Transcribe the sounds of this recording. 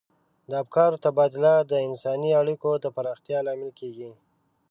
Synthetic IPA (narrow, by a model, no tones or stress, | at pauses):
d̪əabkɑɾot̪abɑd̪ɪlad̪əɪnsɑniaɽikod̪əpaɾɑxt̪jɑlɑmɪlkeɡi